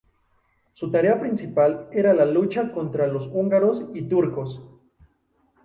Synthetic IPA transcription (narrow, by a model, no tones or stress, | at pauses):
sut̪aɾeapɾinsipaleɾalalut͡ʃako̞nt̪ɾalosuŋɡaɾosit̪uɾko̞s